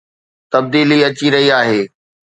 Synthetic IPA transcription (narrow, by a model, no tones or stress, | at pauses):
t̪ɐb̚d̪iːliɐt͡ɕiɾɐɦiaːɦeː